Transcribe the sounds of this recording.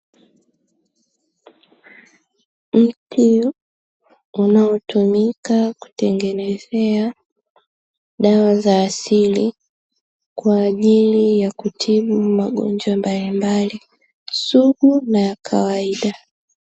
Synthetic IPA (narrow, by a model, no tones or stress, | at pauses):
m̩tʰi | unaɔtumikaku̥tɛŋɡɛnɛzɛa | ɗawazaːsili | kwaːʄilijakutʰiɓuuumaɠɔ̰ɲd͡ʒwambalimbali | suɡunajakʰa̰waiɗa